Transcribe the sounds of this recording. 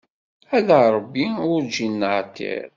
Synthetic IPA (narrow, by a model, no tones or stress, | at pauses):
æðəɾˤəbːiʊɾd͡ʒinːəʕt̪ːḭɾ